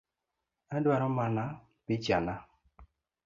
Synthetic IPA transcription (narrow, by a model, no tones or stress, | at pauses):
adwaɾɔmana | pit͡ʃana